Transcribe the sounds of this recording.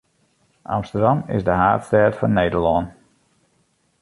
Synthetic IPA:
ʔa̰mstədɑmɪ̰sdəɦa̰ːtstɛːtfɔnːeːdəɹlɔn

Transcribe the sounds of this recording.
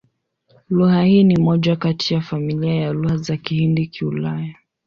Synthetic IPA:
luhahiːnimɔʄakatʰijafamiliajaluhazakihindikʰiulaja

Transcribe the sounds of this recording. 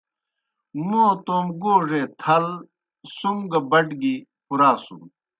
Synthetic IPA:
noːt̪oːmɡoːʐet̪ʰɐl | suŋɡɐbɐʈɡipuɾaːsṵ

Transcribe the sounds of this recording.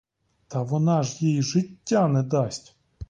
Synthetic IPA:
t̪ɐʋɔnɑʐjijiʒɪtʲːanɛd̪ɑsʲtʲ

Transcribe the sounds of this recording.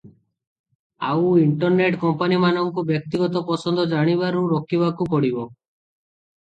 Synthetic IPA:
a̰wiɳʈɔɾneʈkɔmpanimanɔŋkubjɔk̚t̪iɡɔt̪ɔpɔsɔnd̪ʱɔd͡ʒaɽ̃iβaɾuɾɔkʰibakupɔɽibɔ

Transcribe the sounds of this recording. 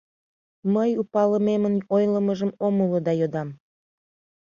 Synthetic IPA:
məjupɑləmemənojləməʒəmoməlod̪ɑjod̪ɑm

